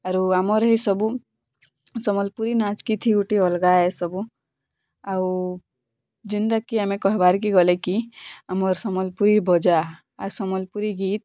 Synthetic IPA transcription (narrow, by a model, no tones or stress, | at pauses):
aɾuamɔɾɦisɔbu | sɔmɔlpuɾinat͡ʃkit̪ʰiuʈiɔlɡaesɔbu | au | d͡ʒind̪akiamẽkɔɦebaɾkiɡɔlekiamɔɾsɔmɔlpuɾibɔd͡ʒa | asɔmɔlpuɾiɡiːt̪